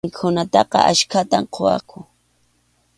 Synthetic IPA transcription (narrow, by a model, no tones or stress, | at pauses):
kʰʊnat̪ɑqɑ̰ʔaʃkat̪amqʰowa̰kʰʊ